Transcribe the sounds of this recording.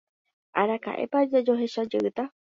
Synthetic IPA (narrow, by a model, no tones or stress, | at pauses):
aɾaka̰ʔe̞̰pad͡ʒad͡ʒoɦe̞ʃad͡ʒeʔɨt̪a